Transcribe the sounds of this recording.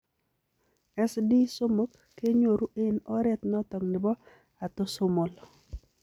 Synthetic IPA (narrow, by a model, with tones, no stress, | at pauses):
ɛ˦sdi˦so˦mo˦kːe˦ɲo˨ɾu˦ʔe˦nɔ˦ɾɛ˦t̪nɔ˦tɔ˨ŋnɪ˨bɔ˦ | a˨to˦so˦mo˨l